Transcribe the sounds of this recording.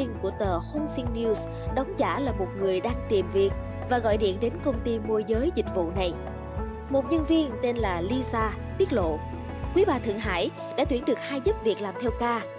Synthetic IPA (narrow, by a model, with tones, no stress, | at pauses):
i˧ŋku˧˩ət̪əː˨˩xo˧nsi˧ŋni˧s | ɗɔ˨˦wŋ͡mza̰ː˧˩laː˨˩mo˨˩t̚ŋɨ˨˩əjɗaː˧ŋt̪i˨˩mvi˨˩ək̚ | vaː˨˩ɣɔ̰˧˨jɗḭ˧˨ənɗe˨˦nkə˧wŋ͡mt̪i˧mo˧jzəː˨˦jzï˨˩k̟̚vṵ˧˨na˨˩j | mo˨˩t̚ɲə˧nvi˧ənt̪e˧nlaː˨˩li˧zaː˧ | t̪i˦˥ət̚lo̰˧˨ | kwi˨˦ɓaː˨˩t̪ʰɨ̰˧˨əŋɦa̰ː˧˩j | ɗa̰ː˧˥t̪wi˧˩ənɗɨ˨˩ək̚haː˧jzɨ˦˥p̚vi˨˩ək̚laː˨˩mt̪ʰɛ˧wkaː˧